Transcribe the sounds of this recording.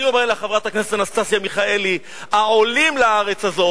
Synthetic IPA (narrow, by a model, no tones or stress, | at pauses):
niomeʁleχavʁat̪akneset̪anast̪asjamiχae̞li | aolimlaaʁe̞t͡sazo̞